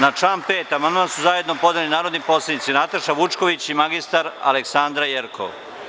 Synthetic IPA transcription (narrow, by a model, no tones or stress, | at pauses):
nat͡ʃaːnpeːt̪amand̪mansuzaje̞d̪no̞po̞d̪elinaːɾod̪nipo̞ːsled̪nit̪sinat̪aʃaʋut͡ʃko̞ʋit͡ɕimaɡist̪aɾa̰leksand̪ɾajeɾkʰo̰ʋ